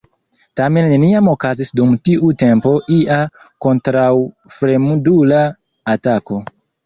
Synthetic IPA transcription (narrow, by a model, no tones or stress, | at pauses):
tame̞nːe̞niamo̞kazisdumtiʔute̞mpo̞ʔiʔa | ko̞ntɾaw | fɾemudulaː | tako̞